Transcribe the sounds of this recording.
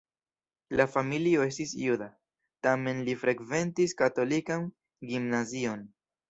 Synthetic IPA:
lafamilio̞e̞stisjuda | tame̞nlifɾekve̞ntiskato̞likan | ɡimnazio̞n

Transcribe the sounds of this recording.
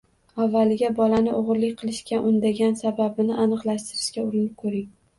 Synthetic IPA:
avːalɪɡʲabɒlanɪʔoʁɾlɪkʲqʰɨlˠɪʃkʲʰaʔʊnd̪aɡʲansababɪnɪʔanɨqlˠaʃt̪ɪɾɪʃkʲaʊɾɪnɪp̚kʰɵɾɪŋ

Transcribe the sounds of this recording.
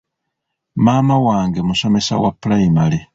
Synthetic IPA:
maːmawaːŋɡemuso̞me̞sa̰wa̰pːulaimale

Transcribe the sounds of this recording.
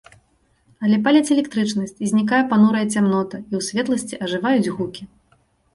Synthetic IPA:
ɐlʲɛp̬alʲɐt͡sʲɛlʲɛkt̪ɾɨt͡ʂnɐsʲt͡sʲizʲnʲik̬ajɛpanuɾɐjɐt͡sʲamn̪ɔt̪ɐiwsʲvʲɛt̪lˠɐsʲt͡sʲiʔɐʐɨvajud͡zʲɣukʲi

